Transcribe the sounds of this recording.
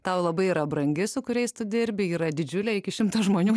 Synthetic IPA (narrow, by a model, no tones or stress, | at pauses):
t̪ɐʊlˠɐbɐɪiɾɐbɾɐŋʲɡʲɪsʊkʊɾʲɛɪst̪ʊd̪ʲɪɾʲbʲɪiːɾɐd̪ʲɪd͡ʒʲʊlʲɛːɪkʲɪʃʲɪmt̪ɐʒmoːnʲuː